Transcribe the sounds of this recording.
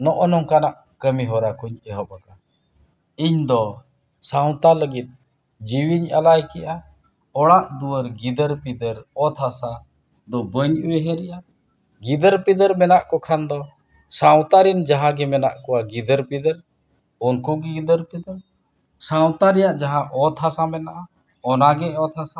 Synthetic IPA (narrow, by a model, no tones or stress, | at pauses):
nɔʔɔnɔŋkanaʔ | kəmiɦɔɾakuɲɛɦɔbaka | iɲd̪ɔ | sawt̪aləɡit̪̚ | d͡ʒiwiɲalajkɛʔa | ɔɽaʔd̪uwəɾɡid̪əɾpid̪əɾɔt̪ʰasa | d̪ɔbəɲuwɛɦɛ̃ɾɛʔa | ɡid̪əɾpid̪əɾmɛnaʔkɔkʰand̪ɔ | saw̃t̪aɾind͡ʒaɦãɡɛmɛna̰ʔkɔwaɡid̪əɾpid̪əɾ | ɔnkɔɡɛɡid̪əɾpid̪əɾ | saw̃t̪aɾɛjaʔd͡ʒaɦãʔɔt̪ʰasamɛnaʔa | ɔnaɡɛɔt̪ʰasa